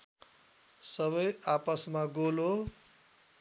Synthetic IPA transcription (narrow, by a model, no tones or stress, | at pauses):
sʌβʌjapʌsmaɡolo